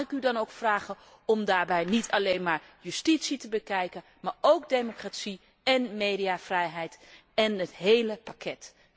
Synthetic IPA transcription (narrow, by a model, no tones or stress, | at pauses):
ɪkydɑnowkfraːχə | ɔmdaːɹbɛjnitʰɑlejnmaːɹjystitsitəbəkɛjkən | maːɹowkdejmokratsi | ɛnmejdiaːvrɛjɦɛjt | ɛnətɦejləpakʰɛt